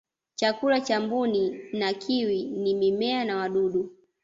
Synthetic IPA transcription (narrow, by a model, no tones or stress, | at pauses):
t͡ʃakulat͡ʃambuninakʰiwinimimɛanawaɗuɗu